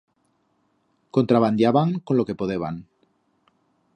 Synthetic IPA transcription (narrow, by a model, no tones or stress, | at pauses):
kont̪ɾaβand̪jaβaŋkonlokepoðeβaŋ